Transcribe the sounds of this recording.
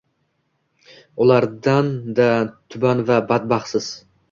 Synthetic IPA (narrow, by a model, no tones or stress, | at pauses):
ʊlˠaɾd̪and̪at̪ʰʊbanvabat̪̚bɑχsɪz̥